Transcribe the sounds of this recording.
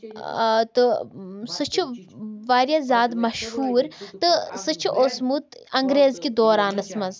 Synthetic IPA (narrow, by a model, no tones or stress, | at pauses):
t̪ɨsɨt͡ʃʰuʋaːɾjazaːd̪mɐʃhuːɾt̪ɨsɨt͡ʃʰuʔoːsmut̪ɐŋɡɾeːzkid̪oːɾaːnɐsmɐz